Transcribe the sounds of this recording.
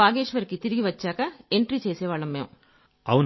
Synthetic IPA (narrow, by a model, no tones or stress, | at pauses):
aːɡeːʃʋɐɾkit̪iɾiɡiʋɐt͡ʃːaːkɐeɳʈɾiːt͡ʃeːsɛːʋaːɭːɐmːeːm | ɐwun